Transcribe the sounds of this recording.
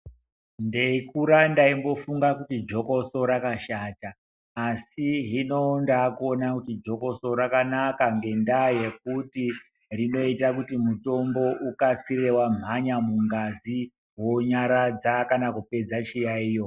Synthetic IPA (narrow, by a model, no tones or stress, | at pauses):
ndeikuɾandaimbo̞fuŋɡakutid͡ʒo̞koso̞ɾakaʃataː | siɦino̞ndakonakutid͡ʒo̞ko̞soɾakanakaŋɡe̞ndaje̞k̚uti | rino̞itakutimuto̞mbo̞ʔukasire̞wam̤aɲamuŋɡazi | wo̞ɲaɾad͡zakanakupe̞d͡zat͡ʃijaiːjo̞